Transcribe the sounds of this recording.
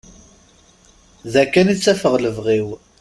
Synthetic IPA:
ðækːænit͡sːæfəʁləvʁiw

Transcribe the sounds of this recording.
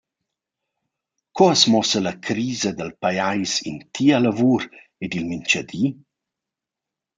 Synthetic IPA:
kɔasmɔsəlakʰɾiːzad̪əlpajajsḭnt̪ʰialavuɾ | ed̪ilmint͡ʃad̪i

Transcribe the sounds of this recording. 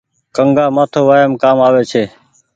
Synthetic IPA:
kəŋɡaːmaːt̪ʰoːʋaːjəmkaːmaːʋeːt͡ʃʰeː

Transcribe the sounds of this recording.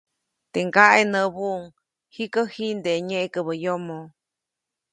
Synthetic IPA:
t̪eŋɡaʔenəβuʔŋ | hikəhind̪eɲeʔkəβəjomo

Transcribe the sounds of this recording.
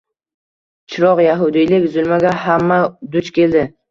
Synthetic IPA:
t͡ʃʰɪɾɒqjaɦʊd̪ɪjlɪkʲzʊlmaɡʲahamːad̪ʊt͡ʃkʲʰe̞ld̪ɪ

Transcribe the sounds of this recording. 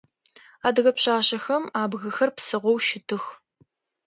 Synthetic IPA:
aːdɨɣɐpɕaːɕɐxɐmaːbɣɐxɐrpsɨʁʷɔwʃɪtʰɨx

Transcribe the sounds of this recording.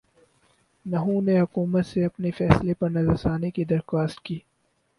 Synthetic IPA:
nɐɦũneɦʊkuːmət̪seɐpnefɛːslepɐɾnɐzəɾsaːnekid̪ɐɾxwaːst̪̚kiː

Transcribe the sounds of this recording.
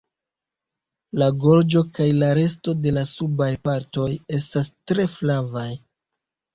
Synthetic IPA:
laɡo̞ɾd͡ʒo̞kajlaɾe̞sto̞de̞lasubajpaɾto̞je̞stastɾe̞flavaj

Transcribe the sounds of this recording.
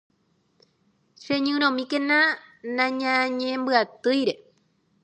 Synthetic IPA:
ʃẽɲɨ̃ɾ̃õmĩkenãnãɲãɲẽmbɨat̪ɨjɾe̞

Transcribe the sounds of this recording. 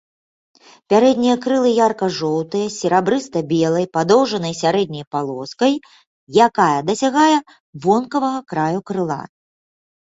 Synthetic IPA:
pʲaɾɛd̪ʲnʲijɐkɾɨlˠɨjarkɐʐɔwt̪ɨjɐsʲɛɾabɾɨst̪ɐbʲɛlˠɐjpad̪ɔwʐɐnɐjsʲaɾɛd̪̚ʲnʲɐjpalˠɔskɐj | jakajɐd̪ɐsʲaɣajɛ | vɔnkɐvɐɣɐkɾajukɾɨlˠa̰

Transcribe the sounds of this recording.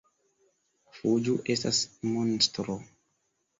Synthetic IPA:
fud͡ʒuʔe̞stasmonstɾo

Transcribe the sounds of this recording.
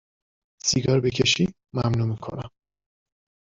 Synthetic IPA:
siɡɒːɾbe̞cʰeʃi | mæmnuːmikʰo̰næm

